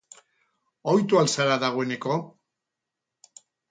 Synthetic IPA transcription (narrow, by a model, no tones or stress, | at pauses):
ojt̪ualsaɾaðaɣ̞oene̞ko̞